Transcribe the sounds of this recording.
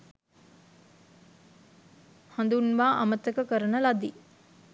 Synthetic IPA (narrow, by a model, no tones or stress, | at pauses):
hand̪unʋaːʔamət̪əkəkəɾənəlad̪i